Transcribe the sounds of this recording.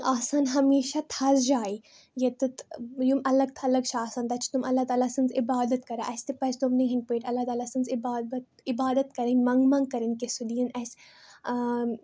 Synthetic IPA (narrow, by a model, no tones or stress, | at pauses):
aːsaːnɦɐmeːʃat̪ʰɐzd͡ʒaːi | jet̪ɨt̪jumɐlɐɡ̚t̪ʰaɐlɐɡ̚t͡ʃʰaːsaːnt̪ɐt͡ʃʰt̪umɐlːat̪aːlasɨnzɪbaːd̪ɐt̪kɐɾaʔɐsʲt̪epɐt͡ʃʰt̪umnɐ̃ɦinpeːʈɐlːat̪aːlasɨnzɪbaːt̪ | ɪbaːd̪ɐt̪kɐɾɐnʲmɐŋɡmɐ̃ŋɡ̚kɐɾɐnʲkesud̪iːɐnɛs